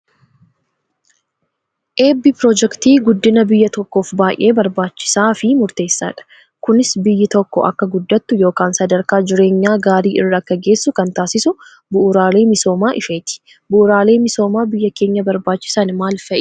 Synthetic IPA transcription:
ʔe̞ːbipɾɔːd͡ʒɛkt̪iːɡʊd̪ːɪnɐbɪjːɐt̪ɔkːo̞ːfbaːʔe̞ːbɐɾbaːt͡ʃːɪ̥saːfɪmʊɾt̪e̞ːsːa̰ːᶑɐ̥ | kʊnɪsbɪjːɪt̪ɔkːɔʔɐ̰kːɐɡʊd̪ːɐt̪ːʊjo̞ːkaːnsɐd̪ɐɾkaːd͡ʒɪɾe̞ːɲːaːɡaːɾiːʔɪrːɐkːɐɡe̞ːsːʊkɐnt̪aːsɪsʊ | bʊʔːɾaːle̞ːmɪso̞ːmaːʔɪfeːt̪ɪ̥ | bʊʔʊɾaːle̞ːmɪso̞ːmaːbɪjːɐke̞ːɲːɐbɐɾbaːt͡ʃːɪ̥saːnmaːlfɐʔ

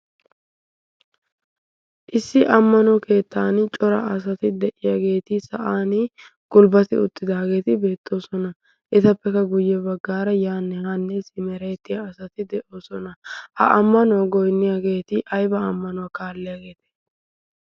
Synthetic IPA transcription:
ʔɪsːɪʔɐmːɐnɔke̞ːt̪ʰːaːnɪt͡ʃʼɔɾɐ̰ʔɐs̬ɐt̪ɪd̪ɛʔɪjaɡe̞ːt̪ɪsɐʔaːnɪ | ɡ̥ʊlbɐt̪ɪ̰ʊ̰t̪ːɪd̪aːɡe̞ːt̪ɪbe̞ːt̪ːo̞ːsɔnɐ | ʔɛt̪ɐpːɛkɐɡʊjːɛbɐɡːaːɾɐjaːnːɛhanːɛsɪmɛɾeːt̪ːɪjɐːsɐt̪ɪd̪ɛʔo̞ːsɔnɐhɐ̰ʔɐmːɐnɔwɐɡɔjnːɪjaːɡe̞ːt̪ɪʔɐjbɐːmːɐnɔwakaːlːɪjaːɡe̞ːt̪ɪ̥

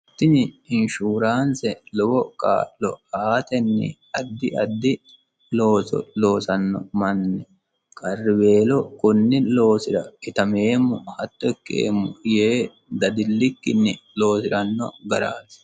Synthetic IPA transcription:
t̪ːɪnɪɪnʃuːɾaːnsɛlɔwɔkʼa̰ːlɔ̰aːt̪ɛnːɪ̰ | ɐd̪ːɪʔɐd̪ːɪ | lo̞ːsɔ̰lo̞ːsɐnːɔ̰mɐnːɛ | kʼɐrːɪbe̞ːlɔkʊnːɪlo̞ːsɪɾɐɪt̪ɐmeːmːʊhɐt̪ːɔɛkːḛːmːʊjeː | d̪ɐd̪ɪlːɪkːɪnːɪlo̞ːsɪɾɐnːɔ̰ɡɐɾa̰ːnsɛ̥

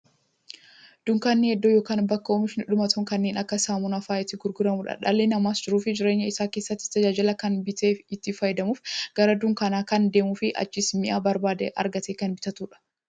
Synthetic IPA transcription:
d̪̥ʊŋkaːnːɪhɛd̪ːoːjo̞ːkaːnbɐkːɐɔmɪʃnɪᶑʊmɐt̪ʰɔŋkɐnːeːnɐkːɐsaːmʊnɐfaːɪt̪ːɪɡʊɾɡʊɾɐmuᶑɐ̰ᶑalːeːnɐmaːsd͡ʒɪɾuːfɪd͡ʒɪɾe̞ːɲːɐɪsaːke̞ːsːɐt̪ːɪ̥t̪ɐd͡ʒaːd͡ʒɪlɐkɐnbɪt̪eːɪt̪ːɪfɐjd̪ɐmuːfɡ̥ɐɾɐd̪ʊŋkɐnaːkɐnd̪e̞ːmuːfɪʔɐ̰t͡ʃːɪsmɪʔaːbɐɾbaːd̪ɛ̰ʔɐ̰ɾɡɐt̪eːkɐnbɪt̪ɐt̪uːᶑɐ̥

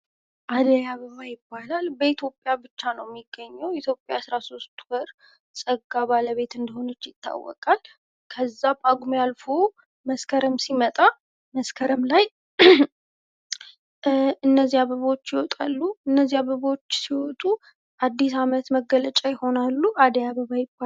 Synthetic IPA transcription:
ʔad̪əjaβəβajɪbːalalbəit̪ʰjopʼjabɨt͡ʃːanəwɛmːiɡːəɲːɛwit̪ʰjo̞pʼjaːsɾaso̞st̪wɔɾ | sʼəɡːaβaləβe̞t̪ɨnd̪əho̞nət͡ʃːjɪt̪ʰːa̰wːɔ̰kʼal | kʰəzːapʼaɡʷmjalfo | məskʰəɾəmsimət̪ʼa | məskʰəɾəmlaj | ɨnːəzːiaβəβot͡ʃːjɪwɔt̪ʼalːuɨnːəzːiaβəβot͡ʃːsiwɔt̪ʼu | ʔad̪ːisamət̪məɡːələt͡ʃʼajɪho̞nalːuad̪əjaβəβajɪbːa

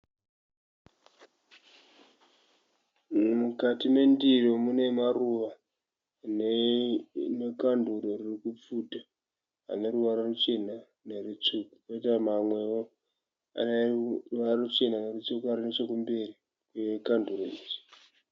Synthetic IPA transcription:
mukatime̞ndiromune̞maruʋa | ne | nekanduɾoririkup͡fudʱa | ɦa̰ne̞ɾuʋaɾarut͡ʃe̞na | nerut͡suku̥koitamamwe̞o | a̰neruʋararut͡ʃe̞nane̞rut͡sukuarinet͡ʃe̞kumbe̞ri | kwekanduroiːd͡ʒi̥

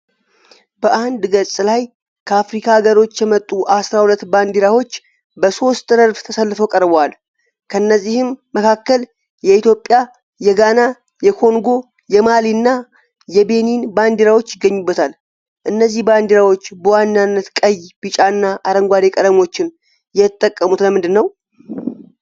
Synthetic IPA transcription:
bəʔand̪ɡəsʼɨlaj | kʰəafɾikʰaɡəɾo̞t͡ʃːjɛmət̪ʼːuʔasɾahulət̪ːband̪iɾawo̞t͡ʃː | bəso̞st̪ʼdəɾbt̪ʰəsəlːɨfəwkʼəɾbal | kʰəɨnːəzːihɨmːəkʰakːəl | jɛit̪jo̞pʼːja | jɛɡana | jɛkʰo̞ŋɡo̞ | jɛmaliɨnːa | jɛbe̞ninband̪iɾawo̞t͡ʃːɪɡəɲːubːət̪ʰal | ʔɨnːəzːihband̪iɾawo̞t͡ʃːbəwanːanːət̪kʼəjb̥it͡ʃʼaɨnːaʔaɾəŋɡʷad̪e̞kʼəd̪əmo̞t͡ʃːɪn | jɛt̪ʼːəkʼːəmut̪ləmɨnd̪ɨnːəw

